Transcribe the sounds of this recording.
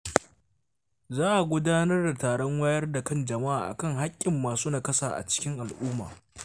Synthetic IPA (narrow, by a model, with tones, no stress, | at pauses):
zaː˦ʔa˨ɡʷʊ˦daː˦nɐ˦rda˨taː˨ɽɔ˦ŋwa˦jɐ˦rda˨kɐ˦nd͡ʒɐ˨ma˦ʔaː˨ʔa̰˨kɐ˦ŋɦa˦kʲʼːɪ˨mːaː˨suː˦naː˨kɐ˦saː˨ʔa̰˨t͡ʃɪ̥˦kʲɪ˦ŋʔa˨lʔuː˦ma̰ː˨